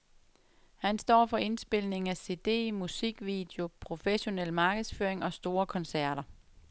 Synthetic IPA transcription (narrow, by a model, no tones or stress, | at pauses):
hænsd̥ɒ̰ːfɒ̽e̝nsb̥e̝l̰ne̝ŋŋ̩æse̝d̥e̝̰ːmusiɡ̥ʋid̥eo̝pʰʁo̝feɕo̝nel̰mɑ̈ːɡ̥əð̩ˠsføːɐeŋɒ̽sd̥o̝ːɐkʰɒ̽nsæɐ̰ɾ̥ɐ